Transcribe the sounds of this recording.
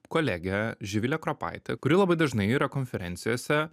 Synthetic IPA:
koːlʲæːɡʲɛʒʲɪʋʲɪlʲɛkɾopɑ̰ɪt̪ʲɛ̰kʊɾʲilˠɐbɐɪd̪ɐʒnɐɪiːɾɐkoːnʲfʲɛɾʲɛnʲt̪sʲɪjoːsʲɛ

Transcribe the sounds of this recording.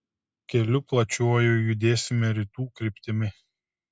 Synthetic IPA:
kʲɛlʲʊplˠɐt͡ʃʲuɔjʊjʊd̪ʲeːsʲɪmʲɛɾʲɪt̪uːkɾʲɪpʲt̪ʲɪmʲɪ

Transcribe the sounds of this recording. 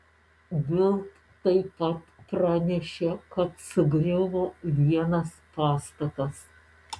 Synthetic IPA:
bʲɪlˠt̪ | t̪ɐɪpɐt̪pɾɑnʲɛʃʲekɐt̪sʊɡɾʲɪʋoːʋʲiɛnɐspɑːst̪ɐt̪ɐs

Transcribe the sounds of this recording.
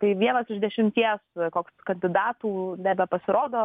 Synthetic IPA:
t̪ɐɪʋʲiɛnɐsɪʒd̪ʲɛʃʲɪmʲt̪ʲiɛskoːkskɐnʲd̪ʲɪd̪ɑːt̪uːnʲæːbʲɛpɐsʲɪɾoːd̪oː

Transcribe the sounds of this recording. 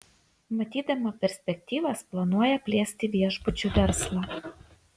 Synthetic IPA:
mɐt̪ʲiːd̪ɐmɐpʲɛɾʲsʲpʲɛk̚ʲt̪ʲiːʋɐsplˠɐnuɔjɛpʲlʲiɛsʲt̪ʲɪʋʲiɛʒbʊt͡ʃʲuʋʲɛɾslˠɑ

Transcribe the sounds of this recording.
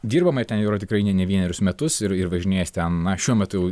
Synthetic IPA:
d̪ʲiːɾbɐmɐɪɾt̪ʲɛnjɛʊɾoːt̪ʲɪkɾɐɪnʲɛnʲɛʋʲiɛnʲɛɾʲʊsmʲɛt̪ʊsɪɾɪrʋɐʒʲɪnʲeːjɛst̪ʲɛnnɐʃʲuɔmʲɛt̪ʊjɛʊ

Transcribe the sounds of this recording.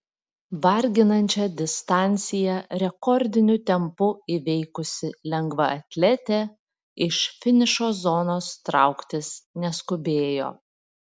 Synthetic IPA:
ʋɐɾʲɡʲɪnɐnʲt͡ʃʲɛd̪ʲɪst̪ɑˑnʲt̪sʲɪjɛɾʲɛkɔɾʲd̪ʲɪnʲʊt̪ʲɛmpʊiʋʲɛɪkʊsʲɪlʲɛŋɡʋɐɐt̪ʲlʲɛt̪ʲɛ | ɪʃfʲɪnʲɪʃoːzonoːst̪ɾɑ̰ˑʊkt̪ʲɪsnʲɛskʊbʲeːjo̰ː

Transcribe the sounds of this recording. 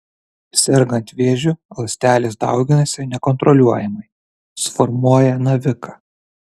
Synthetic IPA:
sʲɛɾɡɐnʲt̪ʲʋʲeːʒʲʊlˠɐsʲt̪ʲæːlʲesd̪ɑ̰ˑʊɡʲɪnɐsʲɪnʲɛkɔnt̪ɾɔlʲuɔjɛmɐɪ | sfɔɾmuɔjɛnɐʋʲɪkɐ

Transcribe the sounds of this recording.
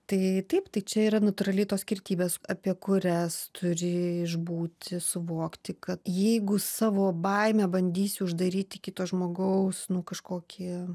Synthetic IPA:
t̪ɐɪt̪ɐɪpt̪ɐɪt͡ʃʲɛiːɾɐnɐt̪ʊɾɐlʲɛɪt̪oːsʲkʲɪrʲt̪ʲiːbʲeːsɐpʲiɛkʊɾʲɛst̪ʰʊɾʲɪɪʒbuːt̪ʲɪsʊʋoːkt̪ʲɪkɐt̪jɛɪɡʊsɑːʋoːbɐɪmʲɛːbɐnʲd̪ʲiːsʲɪʊʒd̪ɐɾʲiːt̪ʲɪkʲɪt̪oːsʒmoːɡɐʊsnʊkɐʃkoːkʲʰi

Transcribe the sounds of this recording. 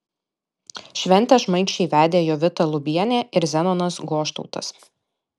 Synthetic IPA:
ʃʲʋʲɛnʲt̪ʲɛʒmɐɪt͡ʃʲɛɪʋʲæːd̪ʲeːjoːʋʲɪt̪ɐlˠʊbʲiɛnʲeːɪɾzʲɛnɔnɐsɡoːʃt̪ɔʊt̪ɐs

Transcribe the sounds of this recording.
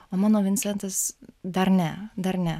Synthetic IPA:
oːmɑːnoːʋʲɪnʲsʲɛnt̪ɐsd̪ɐɾnʲɛd̪ɐɾnʲɛ

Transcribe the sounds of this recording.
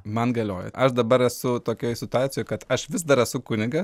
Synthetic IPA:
mɐnɡɐlʲoːjɛ̰ʔɐʃd̪ɐbɐɾɛsʊt̪oːkʲoːjsʲɪt̪ʊɑːt͡ssʲɪjoːjkɐt̪ɐʃʋʲɪzd̪ɐɾɛsʊkʊnʲɪɡɐ

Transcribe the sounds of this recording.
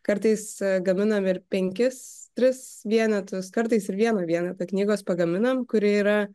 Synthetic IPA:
kɐɾt̪ɐɪsɡɐmʲɪnɐmɪɾpʲɛŋʲkʲɪst̪ʲɾʲɪsʋʲiɛnʲɛt̪ʊskɐɾt̪ɐɪsɪɾʋʲiɛnɐʋʲiɛnʲɛt̪ɐknʲiːɡoːspɐɡɐmʲɪnɐmkʊɾʲɪiːɾɐ

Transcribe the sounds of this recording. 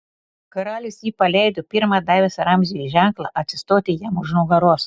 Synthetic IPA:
kɐɾɑːlʲɪsjiːpɐlʲɛɪd̪ʊpʲɪɾmɐd̪ɑjʋʲɛsɾɑmʲzʲijiʒʲæŋklˠɐʔɐt̪sʲɪst̪oːt̪ʲɪjæmʊʒnuːɡɐɾoːs

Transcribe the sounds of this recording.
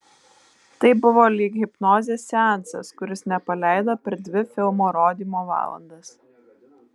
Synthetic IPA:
t̪ɐɪbʊʋoːlʲɪɡɣʲɪpnoːzʲeːsːʲænt̪sɐskʊɾʲɪsnʲɛpɐlʲæˑɪd̪ɐpʲɛɾd̪ʲʋʲɪfʲɪlˠmoːɾoːd̪ʲiːmoːʋɑ̰ːlˠɐ̰nd̪ɐs

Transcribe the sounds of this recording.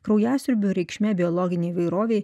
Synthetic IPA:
kɾɐʊjæːsʲʊɾʲbʲuɾʲɛɪkʃʲmʲɛbʲɪɔlˠɔɡʲɪnʲeɪʋɐɪɾoːʋʲeɪ

